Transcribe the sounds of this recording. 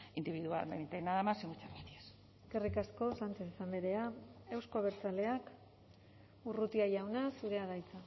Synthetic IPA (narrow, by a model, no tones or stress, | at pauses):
ind̪iβiðua̰meβit̪ajnaðamasiŋɡut͡ʃaɾnit̪ies | kerikasko̞sant͡ʃe̞sisambe̞ɾe̞aewskoβ̞eɾt͡sale̞ak | urut̪iajawnasuɾe̞aðajt͡sa